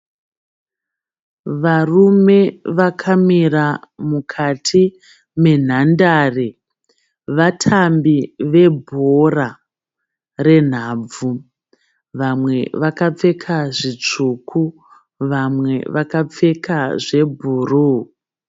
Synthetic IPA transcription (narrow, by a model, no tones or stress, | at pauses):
ʋarume̞ʋakʰamiramukʰatʰi | me̞n̤andaːre | ʋatʰambiʋe̞bʱora | re̞n̤aːb͡vu | ʋamwe̞ʋakap͡fe̞kʰaʐit͡ʂukʰu | ʋamwe̞̰ʋakap͡fe̞kʰaʐe̞bʱuːru